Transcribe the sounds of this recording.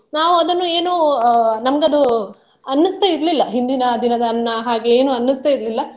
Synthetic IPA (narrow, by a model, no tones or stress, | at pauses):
naːʋuɐd̪ɐnːueːnuːnɐmɐɡeɐd̪u | ɐnːɐst̪eiɾlilːɐɦind̪inɐd̪inɐd̪ɐːnːɐɦaːɡe̞eːnuːɐnːust̪eiɾlilːɐ